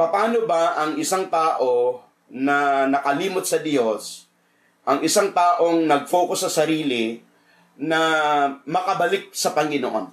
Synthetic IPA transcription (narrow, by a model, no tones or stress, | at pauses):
pɐpaːno̞bɐʔɐŋɪsaŋt̪aːʔo̞ | nɐnɐkɐliːmot̪̚sɐd̪jo̞s | ʔɐŋɪsaŋt̪aːʔo̞ŋnɐɡ̚foːkʊsːɐsɐɾiːlɪ | nɐmɐkɐbɐlɪk̚sɐpɐŋɡɪnoʔo̰n